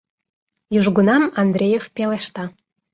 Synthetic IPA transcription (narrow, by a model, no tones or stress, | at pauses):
jyʒɡunɑmɑnd̪ɾʲejefpeleʃt̪ɑ